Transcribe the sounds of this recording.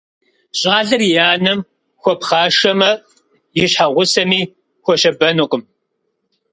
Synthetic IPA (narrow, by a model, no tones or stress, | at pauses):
ɕʼaːɮɨrjaːnɐm | xʷɔpχɑːʃɐmɐ | jɪɕħaʁʷʊsɐmiː | xʷɔʃɐbɐnoqʷʼʊm